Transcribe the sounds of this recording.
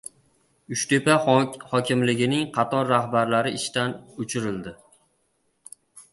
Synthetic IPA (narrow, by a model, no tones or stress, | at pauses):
ʊʃt̪e̞pahɒkʲɪmlɪɡʲɪnɪŋqʰɑt̪ʰɒɾːahbaɾlaɾɪɪʃt̪anʊt͡ʃʰɪɾɪld̪ɪ